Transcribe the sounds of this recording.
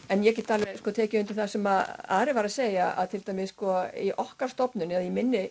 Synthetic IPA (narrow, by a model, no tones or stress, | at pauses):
ɛnjɛc̬ɛt̪ʰalvɛskɔt̪ʰɛːcɪʏnt̪ɪlθasɛmaða̰ːɾɪvaɾaðseːjaʔa̰ðt̪ʰɪlt̪ajmɪskɔiʔɔhkaɾ̥st̪ɔpnʏnɛðjɛmɪnːɪ